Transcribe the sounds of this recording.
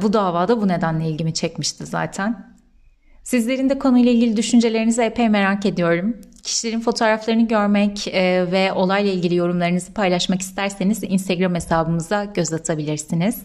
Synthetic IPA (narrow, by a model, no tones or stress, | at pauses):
bud̪aːvaːd̪abune̞d̪ænlʲɛilʲɟimit͡ʃʰɛcmiʃt̪ʰiza̰ːt̪ʰæn | sizlʲe̞ɾind̪ɛkʰo̞nujlˠailʲɟilʲid̪yʃynd͡ʒe̞lʲe̞ɾinizɛepʰɛjme̞ɾaːce̞d̪ijo̞ɾumcʰi̥ʃileɾinfo̞t̪ʰo̞ːɾaflˠaɾɯnɯɟø̞ɾmɛcːvɛʔo̞lˠajlˠailʲɟilʲijo̞ɾumlˠaɾɯnɯzɯpʰajlˠaʃmaki̥st̪ʰæɾse̞nizḭnst̪ʰeɡɾamesaːbɯmɯzd̪aɟ̥ø̞zat̪ʰabilʲiɾsiniz̥